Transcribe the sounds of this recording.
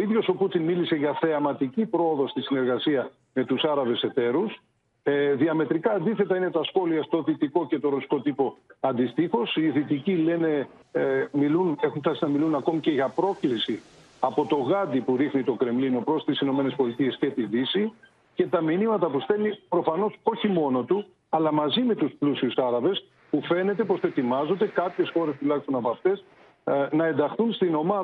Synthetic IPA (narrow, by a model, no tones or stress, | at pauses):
oiðʝo̞so̞put̪inmilise̞ʝɐθe̞ɐmɐt̪icipɾo̞oðo̞st̪isine̞ɾɣɐsiɐ | me̞t̪usɐɾɐvese̞t̪e̞ɾus | ðiɐme̞t̪ɾikɐːnd̪iθe̞t̪ɐine̞t̪ɐsxo̞liɐst̪o̞ðit̪iko̞ce̞t̪o̞ɾo̞si̥ko̞t̪ipo̞ɐnd̪ist̪ixo̞siðit̪icile̞ne̞ | milune̞xuptɐsiznɐmilunɐko̞mice̞ʝɐpɾo̞klisi | ɐpo̞t̪o̞ɣɐd̪ipuɾixnit̪o̞kɾe̞mlino̞pɾo̞st̪isino̞me̞ne̞spo̞lit̪ie̞scet̪iðisi | ce̞t̪ɐminimɐt̪ɐpust̪e̞lipɾo̞fɐno̞so̞çimo̞no̞t̪u | ɐlɐmɐzime̞t̪usplusiusɐɾɐve̞s | pufe̞ne̞t̪e̞po̞st̪oet̪imɐzo̞nd̪e̞kɐpçe̞sxo̞ɾe̞st̪ulɐçist̪o̞nɐpoɐft̪e̞s | nɐe̞nd̪ɐxθunst̪ino̞mɐɐ